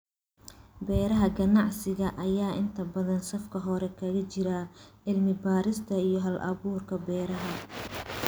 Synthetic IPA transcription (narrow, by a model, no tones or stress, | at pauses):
bɛːɾɐɦɐɡɐnɑʕsɪɣɐʔɐjaːʔɪnt̪ʰɐbɐðɐnsɐfkʰɐɦɔɾɛkʰɐɣɐt͡ʃɪɾɐʕɪlmɪbaːɾɪst̪ʰɐijɞɦɐlʔɐ̰βuːrkʰɐbɛːɾɐɦɐ